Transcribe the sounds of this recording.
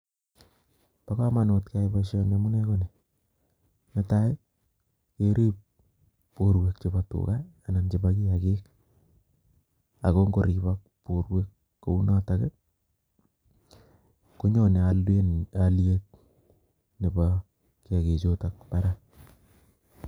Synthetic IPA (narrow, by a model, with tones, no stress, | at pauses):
pa˦ka˦ma˨no˨tka˦jbaʃɔ˦na˦mu˦nɛ˦ko˦ne˨ | ne˦ta˦ɪ˦ | ke˦ɾeː˦p̚ː | o˦ɾwe˨k̚t͡ʃe˨ba˨tṵ˨kaː˦˨na˨nt͡ʃe˦ba˦ki˦ja˨keː˦k | a˨ko˦ŋɡo˨ɾi˨bak̚po˨rwe˦kː | o˨u˦na˦ta˨ke˦ | ko˦ɲɔ˦ne˨ale˦nalje˦t̚ | ne˨ba | ki˦a˨ke˨t͡ʃota˨k̚pa˦ɾa˦